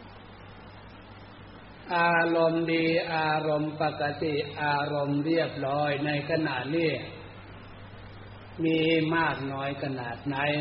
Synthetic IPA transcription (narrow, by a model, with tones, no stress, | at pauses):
ʔaː˧ɾo˧mdiː˧ʔaː˧ɾo˧mpa˨˩ka˧t̪i˨˩ʔaː˧ɾo˧mɾi˥˩əp̚ɾɔː˦˥jna˧jkʰa˧naː˨˩t̪̚niː˥˩ | miː˧maː˥˩k̚nɔː˦˥jkʰa˧naː˨˩t̪̚na˦˥j